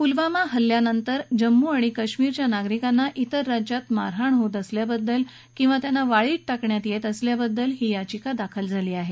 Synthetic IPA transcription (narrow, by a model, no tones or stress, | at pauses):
pulʋamaɦəlːjanənt̪əɾd͡ʑəmːuaɽ̃ikəɕmiːɾt͡ɕjanaɡɾikanːaʔit̪əɾːad͡ʑjat̪ma̰ɾɦaɳɦot̪əsljabəd̪ːəl | kĩw̃ʋat̪janːaʋaɭiːʈ̚ʈakɳjat̪jet̪əsljabəd̪ːəlɦiːjat͡ɕikad̪akʰəld͡zʱaliːaɦe